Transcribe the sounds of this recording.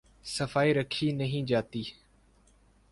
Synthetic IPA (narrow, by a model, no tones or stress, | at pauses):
səfaːiːɾəkʰiːnəɦĩːd͡ʒaːt̪iː